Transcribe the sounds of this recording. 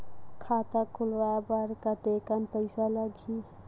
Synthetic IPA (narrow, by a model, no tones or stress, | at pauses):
kʰat̪akʰulʋabəɾkət̪ekanpəɪsaləɡʱi